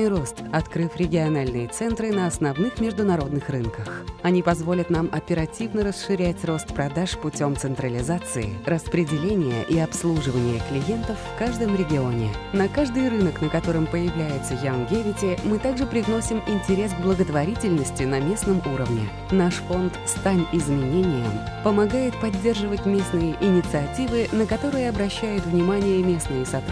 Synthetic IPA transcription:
ɪrost̪ɐt̪kɾɨfɾʲɪɡʲɪɐnalʲnɨjət̪sɛnt̪ɾɨnəɐsnɐvnɨxmʲɪʐd̪ʊnɐɾo̞d̪nɨxrɨnkəxɐnʲipɐzvo̞lʲɪt̪namɐpʲɪɾɐtʲivnəɾəsʂɨɾʲætʲro̞st̪pɾɐd̪aʂpʊtʲo̞mt̪sɨnt̪ɾəlʲɪzat̪sɨɪ̰rəspɾʲɪdʲɪlʲenʲɪjə̰ʔiɐpslˠuʐɨvənʲɪjəklʲɪje̞nt̪əfːkaʐd̪əmɾʲɪɡʲɪo̞nʲɪnɐkaʐd̪ɨjrɨnəknəkɐt̪o̞ɾɨmpəjɪvlʲæjɪt̪səjanɡʲevʲɪtʲɪmɨt̪aɡʐɨpɾʲɪvno̞sʲɪmɪnʲtʲɪɾʲe̞sɡblˠəɡət̪vɐɾʲitʲɪlʲnəsʲtʲɪnɐmʲe̞snəmuɾəvnʲɪ̰ | naʂfo̞nt̪st̪anʲɪzmʲɪnʲenʲɪjə̰m | pəmɐɡajɪt̪̚pɐdʲːe̞rʐɨvətʲmʲe̞snɨjəʔɪnʲɪt̪sɨɐtʲivɨnəkɐt̪o̞ɾɨjəɐbɾɐɕːæjʊt̪vnʲɪmanʲɪjəmʲe̞snɨjəsɐt̪

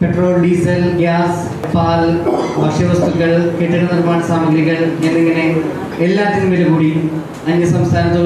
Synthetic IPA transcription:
peʈroːlɖiːsɐlɡjaːs | paːlbʱɐkʂɐʋɐst̪ukːɐɭkeːʈːiɳɐðɐɾmaːɳɐsaːmɐɡɾiɣɐɭenːeŋːɐne | elːaːt̪ːinumʋelukuːɽi | ɐndɐsɐmst̪ʰaːnɐt̪ːu

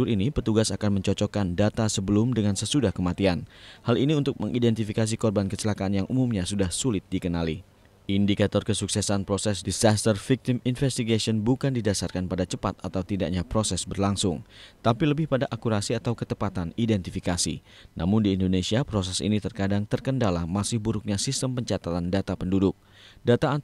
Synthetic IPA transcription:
uɾinipət̪uɡasakanməɲt͡ʃɔt͡ʃɔkandat̪asəbəlʊmdəŋansəsudahkəmat̪ianhaliniunt̪ʊk̚məŋʔidɛnt̪ifikas̬ikɔrbankət͡ʃəlakaːnjaŋʔumumɲasudahsulɪt̪̚dikənali | ʔindikat̪ɔrkəsuksɛsanpɾosɛsdisast̪ərfik̚t̪iminfɛst̪iɡasiɔnbukandidasarkanpadat͡ʃəpat̪at̪awt̪idaʔɲapɾosɛsbərlaŋsʊŋt̪apiləbɪhpadaʔakuɾasiat̪awkət̪əpat̪anidɛnt̪ifikasḭ | nʔa̰mʊndiːndonesiapɾos̬ɛsḭnit̪ərkadaŋt̪ərkəndalamasɪhbuɾʊk̚ɲasist̪əmpəɲt͡ʃat̪at̪andat̪apəndudʊk̚ | dat̪a

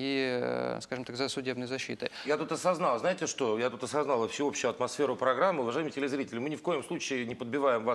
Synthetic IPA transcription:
iskaʐɨmt̪akzəsʊdʲe̞bnəjzɐɕːḭt̪ə̰jat̪ut̪ɐsɐznalˠznaɪtʲɪʂt̪o̞jat̪ut̪ɐsɐznalˠəfsʲɪo̞pɕːʊjʊɐt̪mɐsfʲeɾʊpɾɐɡɾamːɨʊvɐʐajmətʲɪlʲɪzɾʲitʲɪlʲɪmɨnʲɪfko̞jɪmslˠut͡ɕɪɪnʲɪpəd̪̚bʲɪvajɪmvas

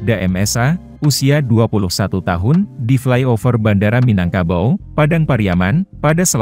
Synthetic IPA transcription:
daʔɛ̰mɛsa | usiaduapulʊhsat̪ut̪aɦʊndiflajofərbandaɾaminaŋkabawpadaŋpaɾiamanpadasəl

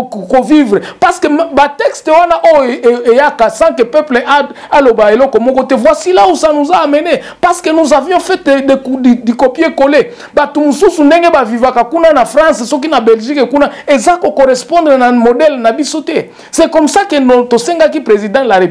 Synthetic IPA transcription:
kovivʁepaskembatɛkstewanaʔojoejakasãkepɛpleʔa | alobaelɔkɔmɔkɔtɛvwasilausanozaamɛne | paskenozavjɔ̃fɛtdekddikopjekole | batumosusundeŋɡebavivakakunanafʁɑ̃ssɔk̬inabɛlʒikkunaezakokoʁɛspɔ̃ndʁenamodɛlnabisotɛ | sɛkɔmsakenotosɛŋɡakipʁezidãlaʁe

